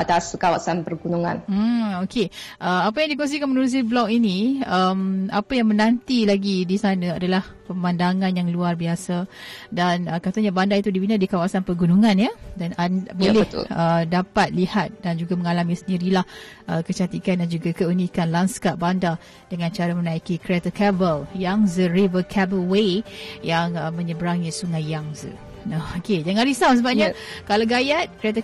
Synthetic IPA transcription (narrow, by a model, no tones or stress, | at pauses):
at̪askawasanpərɡunuŋã̰nm̩okʰeʔəapajaŋdikɔŋs̬ikanmənuɾus̬iblɔk̚iniəmapajaŋmənãnt̪ilaɡidisanə̃adalahpəmandaŋanjaŋluarbiasadanəkat̪aɲabandait̪udibinadikawasanpərɡunuŋãnjadanabolɛt̪lədapat̪̚lihat̪̚dand͡ʒuɡaməŋalamisəndiɾilahʔəkət͡ʃat̪ikandand͡ʒuɡakəunikanlanskaʔ̚banda | d̥əŋãnt͡ʃaɾamənaikikɾiat̪əkɛbəljaŋzərivəkʰɛbəlwejaŋəmə̃ɲəbəɾaŋisuŋajːaŋzə̰ | aoked͡ʒaŋaɾisaws̬əbap̚jɲakalaɡajat̪̚kɾiat̪ə